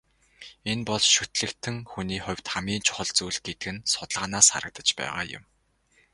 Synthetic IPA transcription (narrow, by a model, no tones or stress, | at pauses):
enpɔɮsʃut̪ɮɘ̆kt̪ʰɘ̆ŋxuniːχʊ̟wʲt̪χæmiːnt͡ɕʰʊ̥χə̆ɮt͡suːɮɡet̪ɘɡɘ̆nsʊt̪ɮʁaːnaːsχa̰ɾə̆k̚t̪ə̥̆t͡ɕpæ̰ːʁa̰ːjʊ̰m